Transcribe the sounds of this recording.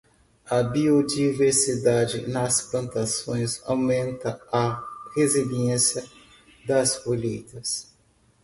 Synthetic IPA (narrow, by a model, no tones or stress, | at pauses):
ɐbiod͡ʒiveɾsid̪ad͡ʒɪnɐsplɐ̃nt̪asõj̃sa̰wmẽnt̪ɐɐheziliẽsjɐ | d̪ɐspoʎejt̪ɐs